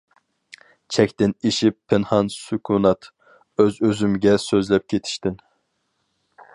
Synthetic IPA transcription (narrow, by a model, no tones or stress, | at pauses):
t͡ʃʰɛkʲt̪ɪniʃipʰːɪnhɑnsykʰunɑt̪ | øzøzymɡʲɛsøzlɛp̚kʲʰet̪ʰi̥ʃt̪ɪn